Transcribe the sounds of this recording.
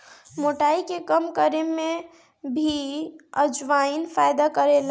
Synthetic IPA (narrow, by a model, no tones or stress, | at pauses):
moʈaikekəmkəɾeme | bʱiəd͡ʒʋainpʰajd̪akəɾel